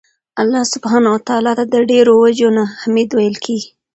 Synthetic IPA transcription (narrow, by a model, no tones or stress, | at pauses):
alːɑsʊbhɑnawat̪ɑlɑt̪ad̪əɖeɾowad͡ʒonahamed̪wajəlkʰeɡi